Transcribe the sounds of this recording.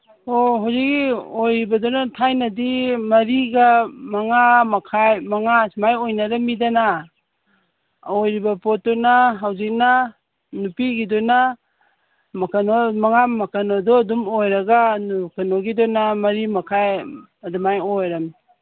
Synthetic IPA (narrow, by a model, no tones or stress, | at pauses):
oɦawzik̚ːiojɾibɐdɔnatʰajnɐdimɐɾiɡamɐŋamɐkʰajmɐŋasmajojnaɾamidana | ojɾibɐpɔtːɔnaɦawzik̚na | nupiɡidɔna | mɐkanomɐŋamɐkanodɔːdumojɾɐɡanukanoɡidɔnamɐɾimɐkʰaj | ɐdumajojɾami